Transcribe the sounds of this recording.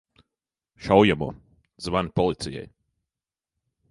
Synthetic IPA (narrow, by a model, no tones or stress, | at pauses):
ʃawjamɔ̰ː | zvanipɔlˠit̪sijɛ̰j